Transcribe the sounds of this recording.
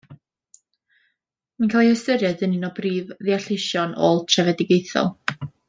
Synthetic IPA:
mankʰalˠihəstəɾjɛðɨnɪnɔbriːvðiaɬɪʃjɔnoːlˠtʰrɛvɛdɪɡejθɔ̰lˠ

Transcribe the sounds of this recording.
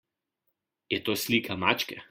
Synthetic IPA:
jɛt̪oːslʲiːkʰamaːt͡ʃkʲɛ

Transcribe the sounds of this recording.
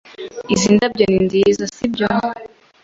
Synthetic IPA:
izindab̚ɟɔnindizasibjɔ

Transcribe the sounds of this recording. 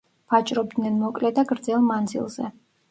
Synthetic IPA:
pʰat͡ʃʼɾɔb̚d̪nɛnmɔkʼlɛd̪aɡɾd̪zɛlˠmand̪zḭlˠzɛ̰

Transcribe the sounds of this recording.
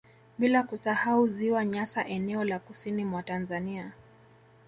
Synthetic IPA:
ɓilakusahauziwaɲasaʔɛnɛɔlakusinimwatanzania

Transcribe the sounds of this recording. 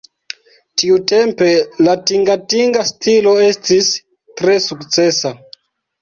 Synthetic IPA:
tiute̞mpe̞latiŋɡatiŋɡastilo̞e̞stis | tɾe̞sukt͡se̞sa

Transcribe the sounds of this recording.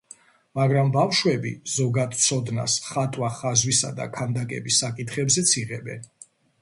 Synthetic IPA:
maɡɾambafʃwɛbḭz̥ɔɡad̪t̪sʰɔd̪na̰sχat̪ʼwaχazwisa̰d̪a̰kʰand̪akʼɛ̰bisːakʼit̪ʰχɛbzɛt̪sʰiʁɛbɛ̰n

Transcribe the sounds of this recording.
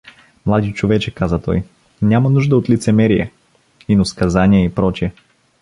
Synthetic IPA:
mlˠad̪it͡ʃovɛt͡ʃɛkazət̪ɔ̰j | nʲamɐnuʒd̪əot̪lit̪sɛmɛɾijɛ | inoskɐzanʲiɛipɾɔt͡ʃiɛ

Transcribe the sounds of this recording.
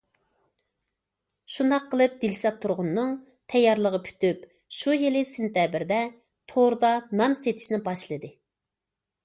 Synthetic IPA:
ʃund̪ɑqʰːəlˠɨp̚d̪ilʃɑt̪ʰːuɾʁʊnːɨŋ | t̪ʰɛjːɑɾlˠəʁəpʰy̥t̪yp | ʃujelɪsent̪ɛbɪɾd̪ɛ | t̪ʰoɾd̪ɑnɑnset̪ʰi̥ʃnɪbɑʃlˠɨd̪ɨ

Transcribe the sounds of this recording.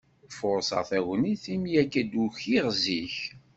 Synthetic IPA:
fʊɾsə̰ʁθæwəniθimjækːæd̪uçiʁziç

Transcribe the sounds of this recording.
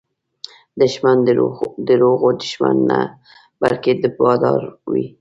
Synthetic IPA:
d̪əʃmand̪əɾoɣod̪əʃmanːa | b̥alked̪əbɑd̪ɑɾwḭ

